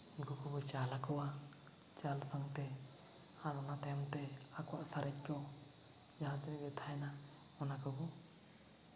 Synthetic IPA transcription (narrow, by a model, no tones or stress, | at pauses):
ɡukubɔt͡ʃalakɔwa | t͡ʃalsaŋt̪ɛ | aɾɔnat̪amt̪ɛ | akuwaʔsaɾɛt̚t͡ʃɔ | d͡ʒaɦãd͡ʒiniɡɛt̪ʰajna | ɔnakɔbɔ